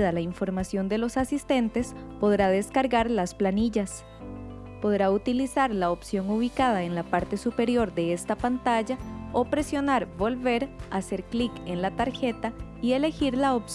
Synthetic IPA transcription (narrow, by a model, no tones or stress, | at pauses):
ðalaiɱfo̞ɾmasjo̞nd̪e̞lo̞sasist̪e̞nt̪e̞spo̞ðɾað̞e̞skaɾɣaɾlasplaniʝas | po̞ðɾaut̪ilisaɾlaopsjo̞ŋuβikað̞aenlapaɾt̪e̞supe̞ɾjo̞ɾd̪e̞est̪apant̪aʝao̞pɾe̞sjo̞naɾbo̞lβe̞ɾase̞ɾklikenlat̪aɾxe̞t̪aie̞le̞xiɾlaops